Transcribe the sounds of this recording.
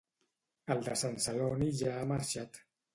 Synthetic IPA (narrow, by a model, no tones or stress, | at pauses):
əlˠd̪əsansəloniʒaːmaɾʃat̪